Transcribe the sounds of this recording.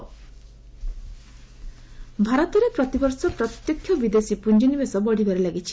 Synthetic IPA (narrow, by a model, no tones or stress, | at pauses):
bʱaɾɔt̪ɔɾepɾɔt̪ibɔɾsɔpɾɔt̪jɔkʰːjɔbid̪esipund͡ʒinibesɔbɔɽibʱaɾilaɡit͡ʃʰi̥